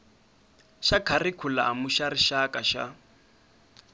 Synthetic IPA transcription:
ʃakʰarikʰula̰ːmuʃaɾiʃakʼaʃa̰

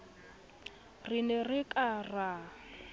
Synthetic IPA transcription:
rinɛrikʼara

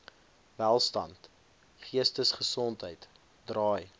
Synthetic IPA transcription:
vælˠstɐ̰nt | χiəstəsχəsɔntɦəjt | drɑːj

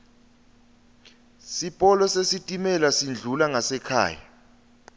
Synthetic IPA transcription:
sipʼɔlɔsesitʼimɛlasind͡ɮʱulaŋasɛkʰa̰ːja̰

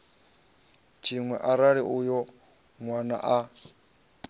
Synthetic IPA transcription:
t͡ʃʰiŋwɛʔaɾaɺiʔujɔ | ŋwana̰ʔa

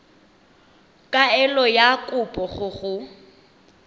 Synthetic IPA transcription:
kʼaɛlɔjakʼʊpʼɔɣʊɣʊ

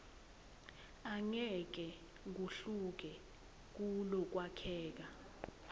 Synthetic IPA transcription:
aŋɛk̬ɛ | ŋ̬uɬuk̬ɛ | k̬ulɔk̬wakʰɛːk̬a

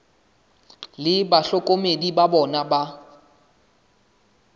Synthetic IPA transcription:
lɪbaɬɔkʼomedibabɔnaba

